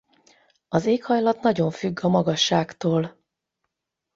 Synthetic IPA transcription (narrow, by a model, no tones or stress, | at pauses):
ɒzeːkhɒjlɒt̪nɒɟo̞ɱfyɡːɒmɒɡɒʃːaːkt̪oːl